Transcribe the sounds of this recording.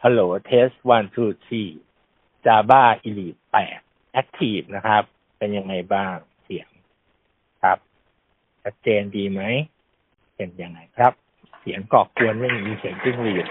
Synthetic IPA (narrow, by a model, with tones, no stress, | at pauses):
pʰa˧loː˨˦t̪ʰeː˦˥st̚wa˧nt̪ʰuː˧˩t̪̚siː˧˩ | t͡ɕaː˧baː˥˩ʔi˧li˨˩pːɛ̰ː˨˩t̪̚ | ʔa˦˥k̚t̪ʰiː˥˩p̚na˦˥kʰɾa˦˥p̚ːe˧nja˧ŋːa˧jbaː˥˩ŋ | si˨˩˦əŋ | kʰɾa˦˥p̚ | t͡ɕa˧˦˥t̪̚t͡ɕeː˧ndiː˧ma˦˥j | pe˧nja˧ŋːa˧jkʰɾa˦˥p̚ | si˨˩˦əŋkɔː˨˩ku˧ənma˥˩ŋ˨˩miː˧si˨˩˦ŋt̪i˥˩ŋliː˨˩t̚